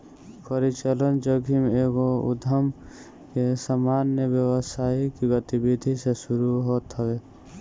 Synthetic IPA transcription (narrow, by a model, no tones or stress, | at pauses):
pəɾit͡ʃələnd͡ʒəɡʱimeːɡoʊ̰d̪ʱəm | kesəmaːnjəʋjəwəsaːikiɡət̪ibid̪ʱisesʊɾuɦoːt̪ɦəweː